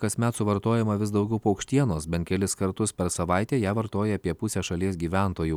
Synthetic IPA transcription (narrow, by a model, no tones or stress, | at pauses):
kɐsʲmʲɛt̪sʊʋɐɾt̪oːjɛmɐʋʲɪsd̪ɐʊɡʲɛʊpːɐʊkʃʲt̪ʲiɛnoːsbʲɛnt̪kʲɛlʲɪskɐɾt̪ʊspʲɛɾsɐʋɐˑɪt̪ʲeːjæːʋɐɾt̪oːjɛɐpʲiɛpʊsʲɛːʃɐlʲiɛs̬ɡʲiːʋʲæˑnt̪oːju